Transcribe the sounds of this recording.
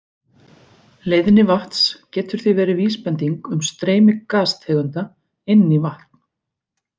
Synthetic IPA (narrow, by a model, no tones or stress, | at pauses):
leːjðɪnɪvaht̪scɛːt̪ʏɾ̥θivɛːɾɪviːspɛnt̪iŋkʏmst̪ɾeːjmɪkaːst̪hɛːɣʏnt̪a | ejnːivaht̪n̥